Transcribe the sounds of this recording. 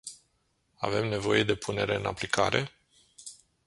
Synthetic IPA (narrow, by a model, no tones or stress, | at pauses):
a̰ve̞mne̞vo̞je̞d̪e̞pʰune̞ɾe̞ɨnaplikʰa̰ɾe̞